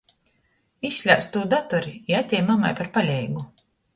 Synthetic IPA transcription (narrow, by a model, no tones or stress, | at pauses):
isʲːlʲawst̪uːd̪at̪ɔɾiiat̪ʲɛjmama̰jpaɾpalʲɛjɡu